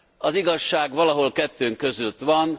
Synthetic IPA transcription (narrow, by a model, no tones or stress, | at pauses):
ɒziɡɒʃːaːɡʋɒlɒɦo̞lkɛt̪ːøːŋkø̞zylt̪ʋɒn